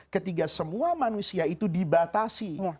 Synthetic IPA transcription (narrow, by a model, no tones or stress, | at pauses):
kət̪iɡasəmuamanusiait̪udibat̪asi